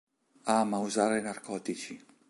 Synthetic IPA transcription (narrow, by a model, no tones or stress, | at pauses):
aːmauzaːɾejnarkʰɔːt̪it͡ʃi